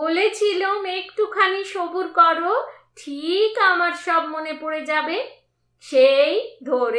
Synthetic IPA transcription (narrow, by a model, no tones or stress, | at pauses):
bolet͡ɕʰilomekʈukʰaniʃobuɾkɔɾo | ʈʰikamaɾʃɔbmonepoɾed͡ʑabe | ʃejd̪ʱoɾe